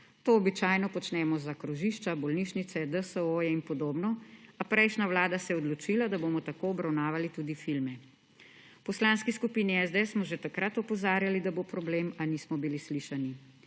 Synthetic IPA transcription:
t̪oːbit͡ʃaːjnɔpɔt͡ʃnɛːmɔzakɾuʒiʃt͡ʃabɔlniːʃnit̪sɛd̪əsəoːjɛinpɔd̪oːbnɔapɾɛjʃnaʋlaːd̪asɛjɛɔd̪lɔt͡ʃiːlad̪aboːmɔt̪akoːɔbɾawnaːʋalit̪uːd̪ifilmɛ | pɔslaːnskiskupiːniɛzd̪ɛsmɔʒet̪akɾat̪ɔpɔzaːɾjalid̪abopɾɔbleːmaniːsmɔbilisliːʃani

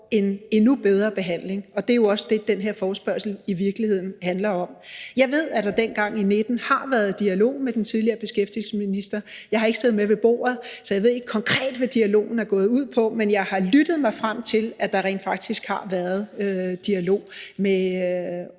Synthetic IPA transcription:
e̝ne̝nub̥eð̞ˠʁɐb̥e̝ɦæn̰le̝ŋɒ̽d̥e̝jo̝ɒ̽səd̥e̝d̥enɦeɐ̰fɒːsb̥ɶɐsl̩iʋiɐɡ̥lihe̝ð̰ˠn̩hænlɐɒ̽mjɑ̈ɪʋe̝ð̰ˠæd̥ɑ̈d̥enɡ̥ɑ̈ŋ̰ined̥n̩hɑ̈ʋæɐð̩ˠd̥iælo̝̰ːmed̥en̩t͡sʰiðˠliɐːb̥e̝sɡ̥efd̥il̩səsminisd̥ɐ | jɑ̈ɪhɑ̈e̝ɡ̥sʰeːð̩ˠmeʋe̝b̥o̝̰ːɐð̩ˠsɒjɑ̈ɪʋe̝ð̞̰ˠe̝ɡ̥kʰɒ̽ŋkʰʁɛ̰ːd̥ʋæd̥iælo̝̰ːn̩æɐɡ̥ɔ̽ːð̞̩ˠuð̰ˠpʰɒ̽menjɑ̈ɪhɑ̈lyd̥əð̩ˠmɑ̈ɪfʁam̰t͡sʰe̝læd̥ɑ̈ʁɛ̰ːnd̥fɑ̈ɡ̥̚d̥isɡ̥hɑ̈ʋæːɐð̞̩ˠød̥iælo̝̰ːme

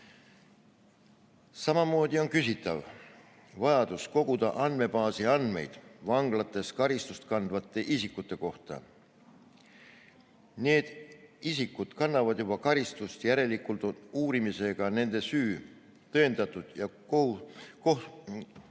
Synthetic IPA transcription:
sɑmɑmo̞ːd̪io̞nkysit̪ːˑɑv | vɑjɑd̪usko̞ɡ̥ud̪ɑʔɑnd̪̥me̞pɑːsiɑnd̪me̞̰jd̪̥vɑŋɡ̥lɑt̪ːˑe̞skɑɾist̪ust̪kɑnd̪vɑt̪ːˑe̞ʔisikːˑut̪ːˑe̞ko̞ht̪ɑ̰ | ne̞ːd̪̥isikːˑud̪̥kɑnːɑvɑd̪̥jub̥ɑkɑɾist̪ust̪jæɾe̞likːˑult̪uːɾimise̞ɡ̥ɑne̞nd̪̥e̞syː | t̪ɤ̞end̪̥ɑt̪ːˑud̪̥jɑ | ouko

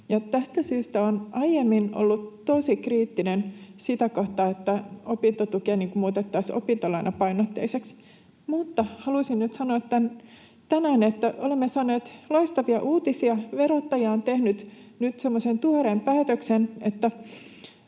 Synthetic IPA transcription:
jɑt̪æst̪æsyːst̪æonʔɑijemːino̰lːut̪tːoisikriːt̪ːinensit̪ækoht̪ɑet̪ːæopint̪ot̪ukeːniːŋkumuːt̪et̪ːɑso̰pint̪olɑinɑpɑinot̪ːḛiseks | mut̪ːɑhɑlusinnyt̪sɑnoːt̪ːæn | t̪ænæːnet̪ːæʔolemːesɑːneːt̪lɑist̪ɑʋiɑʔuːt̪isiɑʋeɾot̪ːɑjɑːnt̪ehnyt̪nyt̪semːosent̪uoɾempæːt̪øksenet̪ːæ

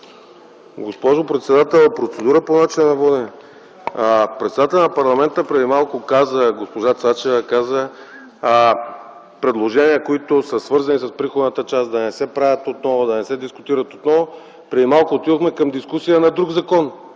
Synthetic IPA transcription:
ɡospɔʒopɾɛt̪sɛd̪at̪ɛlˠpɾot̪sɛd̪uɾəponat͡ʃinɐnɐvɔd̪ɛn | pɾɛt̪sɛd̪at̪ɛlʲˠnɐpɐɾlˠɐmɛnt̪əpɾɛd̪imalˠkʊkazəɡospoʒat̪sat͡ʃɛvəkazə | pɾɛd̪lˠoʒɛnijəkoit̪ʊsəsvɤɾzɐnisəspɾixod̪nət̪ət͡ʃasd̪ɐnɛsɛpɾavʲət̪ot̪nɔvʊd̪ɐnɛsɛd̪iskʊt̪iɾɐt̪ot̪nɔvʊ | pɾɛd̪imalˠkʊːt̪id̪oxmɛkɐmd̪iskusijənɐd̪ɾuɡzɐkɔn

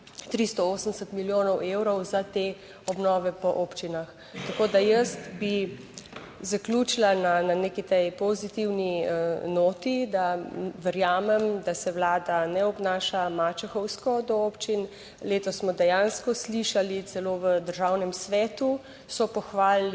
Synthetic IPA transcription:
t̪ɾist̪ɔoːsənd̪ɛsət̪miljoːnɔwewɾɔwzat̪e | ɔbnɔːʋɛpɔʔoːpt͡ʃinax | t̪akoːd̪ajəst̪bi | zaklʲuːt͡ʃilanananekit̪ɛjpɔzit̪iwniənoːt̪id̪aʋɛɾjaːmɛmd̪asɛwlaːd̪anɛɔbnaːʃamat͡ʃɛxɔwskɔd̪ɔopt͡ʃin | leːt̪ɔsːmɔd̪ɛjaːnskɔsliʃalit̪sɛloʋəd̪əɾʒaːwnɛmsʋɛːt̪u | sɔpɔxʋaːl

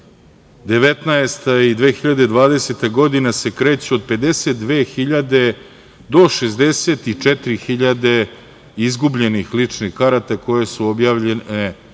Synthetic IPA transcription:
d̪e̞ʋe̞t̪naest̪aid̪ʋe̞ːxiʎad̪e̞d̪ʋaːd̪e̞set̪aɡo̞d̪inase̞kɾeːt͡ɕeod̪̚pe̞d̪e̞set̪̚d̪ʋeːxiʎad̪e̞ | d̪o̞ʃezd̪eseːt̪it͡ʂet̪iɾixiʎad̪e̞ | izɡubʎe̞nixlit͡ʂnixkaɾat̪ako̞jesuobjaːʋʎene

